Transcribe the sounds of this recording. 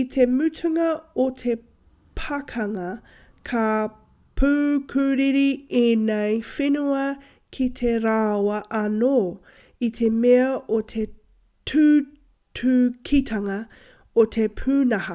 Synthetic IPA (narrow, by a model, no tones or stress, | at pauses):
itʰemʉtʰʉŋɐotʰe̞ | pʰɐkʰɐŋɐ | kʰɐ | pʰʉːkʰʉːɾiɾieːnejfenuɐ | kʰitʰeɾawɐʔɐnoː | itʰe̞meɐʔot̪ʰe | tʰʉː | tʰʉkʰitʰɐŋɐ | ot̪ʰepʰʉːnɐhɐ